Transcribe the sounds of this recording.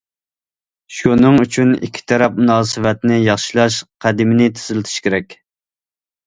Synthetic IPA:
ʃunɨŋyt͡ʃʰynḭkʲʰːi̥t̪ʰɛɾɛp̚munɑːsɨwɛt̪nɪjɑχʃilˠɑʃqʰæd̪ɪmɪnɪt̪ʰy̥zylɪt̪ʰy̥ʃkʲʰeɾɛkʲ

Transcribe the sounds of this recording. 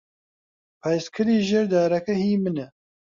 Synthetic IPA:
pʰaːjskʰɨɾiːʒeɾd̪aːɾɐkɐhiːmɨnɛ

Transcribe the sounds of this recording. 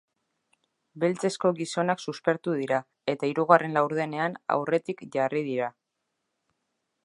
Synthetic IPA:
be̞lt͡se̞sko̞ɣiso̞naksuspe̞ɾt̪uð̞iɾa | e̞t̪aiɾuɣ̞are̞nlawɾðe̞ne̞ana̰wre̞t̪ikʝarið̞iɾa

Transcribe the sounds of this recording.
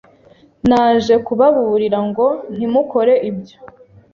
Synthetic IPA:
naːnʒe̞kuβaβuuɾiɾaŋɡo̞n̥imuko̞ɾe̞ʔibjo̥

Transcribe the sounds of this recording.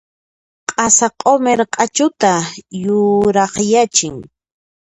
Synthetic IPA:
qʼɑsaqʼomeɾqʼat͡ʃʊt̪ajʊɾɑχjat͡ʃɪŋ

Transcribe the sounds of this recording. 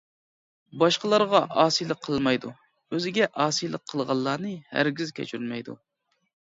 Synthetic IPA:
bɑʃqəlˠɑɾʁɑʔɑːsijlˠəqʰːəlˠmɑjd̪u | øzɪɡʲɛʔɑːsijlˠəqʰːəlˠʁɑlˠːɑːnɨhæ̰ɾɡʲizkʲʰɛ̰t͡ʃʰyɾylmɛjd̪ṵ

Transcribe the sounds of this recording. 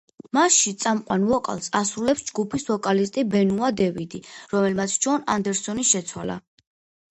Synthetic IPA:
masʃit̪sʼamqʼwanvɔkʼa̰lˠsasɾulɛpsd͡ʒɡupʰisvɔkʼalist̪ʼibɛnuad̪ɛvid̪iɾɔmɛlmat̪sʰt͡ʃʰɔnand̪ɛɾsɔniʃɛt̪sʰwala̰

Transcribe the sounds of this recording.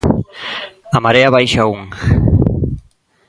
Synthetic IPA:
amaɾeaβajʃauŋ

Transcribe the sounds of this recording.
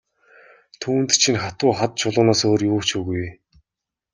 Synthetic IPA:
t̪ʰuːnt̪t͡ɕʰinχat̪ʊːχat̪̚t͡ɕʰʊɮʊ̆ːnaːsoːrjuːkt͡ɕuɣuj

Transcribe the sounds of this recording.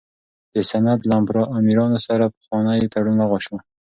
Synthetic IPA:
d̪̥əsanat̪lambɾɑʔamiɾɑnosaɾapə̥xwɑnajet̪aɽunlaɣaʃma

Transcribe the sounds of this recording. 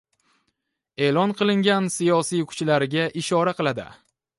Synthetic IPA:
e̞lɒnqɨlˠɪŋɡʲansijɒsijkʰʊ̥t͡ʃlaɾɪɡʲaʔɪʃɒɾaqɨlˠad̪ɪ̰

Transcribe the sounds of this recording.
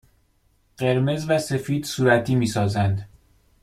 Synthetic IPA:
ɢ̥e̞ɾme̞zvæse̞fiːd̪suːɾæt̪ʰiːmiːsɒːzænd̪

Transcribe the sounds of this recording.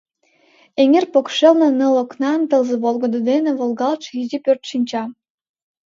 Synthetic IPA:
eŋʲerpokʃelnɤ̆nɤ̆loknɑnt̪ɤ̆lˠzɤ̆βolˠɡŏd̪ŏd̪enĕβolˠɡɑlˠt͡ʃizipørt̪ʃinʲt͡ɕɑ

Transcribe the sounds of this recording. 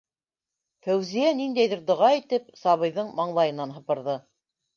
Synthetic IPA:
fæwzijænind̪æjðɘɾd̪ŏʁɑit̪ɘp̚sɑβɤ̆jðɤɴmɑɴlˠɑjɤ̆nɑnɦɤ̆pɤ̆ɾðɤ

